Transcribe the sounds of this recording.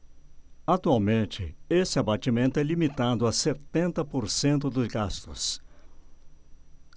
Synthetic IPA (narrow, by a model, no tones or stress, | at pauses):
at̪uawmẽnt͡ʃɪ̰esɪabat͡ʃimẽnt̪ʊɛlimit̪ad̪ʊaset̪ẽnt̪ɐpoɾsẽnt̪̬ʊd̪ʊzɡast̪ʊ̰s